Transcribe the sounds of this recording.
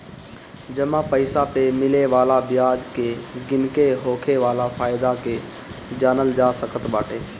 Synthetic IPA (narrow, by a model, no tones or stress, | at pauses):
d͡ʒəmãpəɪsapemɪleʋaːlabɪjaːd͡ʒkeɡɪnkeɦoːkʰeʋaːlafʰaːjd̪ake | d͡ʒaːnəld͡ʒaːsəkʰət̪baːʈʰeː